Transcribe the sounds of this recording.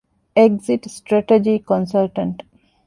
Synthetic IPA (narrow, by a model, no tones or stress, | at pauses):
eɡsiʈsʈɾeʈed͡ʒikõnsɐlʈɐ̃ɳʈ